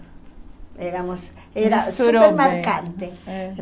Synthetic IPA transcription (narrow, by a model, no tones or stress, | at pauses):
eɾamos | eɾasuɾomaɾkant̪e